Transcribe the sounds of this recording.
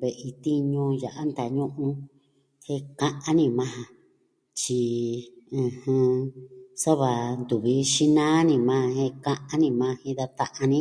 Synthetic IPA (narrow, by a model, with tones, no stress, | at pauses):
βe˨ʔi˧t̪i˦ɲũ˧ja˨ʔa˦nd̪a˨ɲũ˦ʔũ˧ | he˦kã˦˧ʔã˦nĩ˧mã˦hã˧ | t͡ʃi˧ | ɨ̃˨˧hɨ̃˧ | sa˦βa˨nd̪u˨βi˧˦ʃi˦nãː˦nĩ˧˨mã˧˦˧hẽ˦˧kã˦ʔa˦nĩ˧mã˧hĩ˧ða˧t̪a˦ʔa˧nĩ˦